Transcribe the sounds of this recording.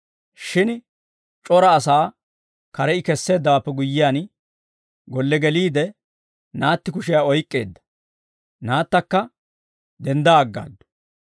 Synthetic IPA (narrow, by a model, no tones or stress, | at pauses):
ʃɪn | t͡ʃʼɔɾɐːs̬aː | kɐɾɛɪkɛsːe̞ːd̪ːɐwaːpːɛɡʊjːɪjaːn | ɡɔlːɛɡɛliːd̪ɛ | naːt̪ːɪkʊʃɪjaːɔjkʼːe̞ːd̪ːɐ̥ | naːt̪ːɐkːɐ | d̪ɛnd̪aːɡːa̰ːd̪ːʊ̥